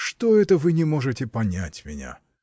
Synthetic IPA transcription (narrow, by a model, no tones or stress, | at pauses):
ʂt̪oɛt̪əvɨnʲɪmoʐɨtʲɪpɐnʲæ̰tʲmʲɪ̰nʲa̰